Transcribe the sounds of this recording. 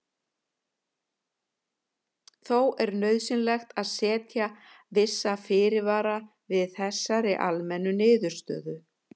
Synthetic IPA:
θowɛɾnœːɥðsɪnlɛxt̪aðsɛːt̪ja | vɪsːafɪːɾɪvaːɾa | vɪðθɛsːaɾɪʔa̰lmɛnːʏnɪːðʏɾ̥st̪œ̰ːðʏ

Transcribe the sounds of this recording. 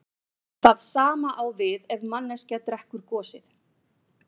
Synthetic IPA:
θaðsaːmaʔawvɪðɛvmanːɛscat̪ɾɛhkʏɾ̥kɔːsɪθ

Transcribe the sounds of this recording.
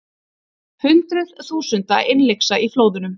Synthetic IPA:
hʏnt̪ɾʏð̥θuːsʏnt̪aʔɪnleksaifloːwðʏnʏm

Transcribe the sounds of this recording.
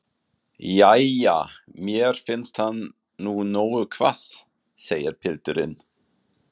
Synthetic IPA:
jajamjɛɾ̥fɪnst̪hanː | unoːwʏkʰvas | seːjɪɾpʰɪlt̪ʏɾɪn

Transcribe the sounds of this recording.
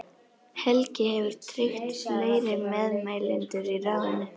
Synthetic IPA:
hɛlcɪhɛvʏɾ̥t̪ʰɾɪxt̪leːjɾɪmɛðmaːjlɪnt̪ʏɾiraːvɪnːɪ

